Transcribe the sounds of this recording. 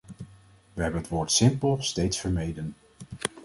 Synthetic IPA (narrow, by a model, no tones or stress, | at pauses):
ʋəɦɛbənɦətʋoːɹtsɪmpəlˠstejtsfəɹmejdən